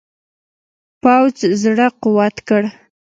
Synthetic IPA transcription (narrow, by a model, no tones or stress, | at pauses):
pawd͡zzɽəqʊwat̪kəɽ